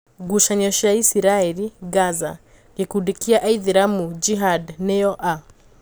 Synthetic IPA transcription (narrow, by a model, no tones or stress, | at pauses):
ɡuʃaɲɔʃaisiɾaɛliɡaza | kikudikiaʔaiðiɾamud͡ʒiɦadnɛɔʔa